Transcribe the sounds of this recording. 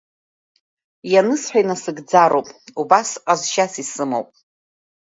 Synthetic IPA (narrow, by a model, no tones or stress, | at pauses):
janɨsħʷᶣajnasɨɡd͡zaɾowpʼubasqʼazʃasisɨmo̰wpʼ